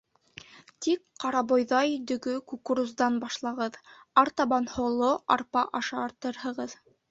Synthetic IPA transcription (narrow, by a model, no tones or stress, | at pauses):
t̪ik̚qɑɾɑbojðɑjd̪ɵ̆ɡɵkukuɾuzd̪ɑnbɑʃlˠɑʁɤðɑɾt̪ɑbɑnhŏlˠoɑ̰ɾpɑʔɑʃɑːɾt̪ɤɾhɤ̆ʁɤð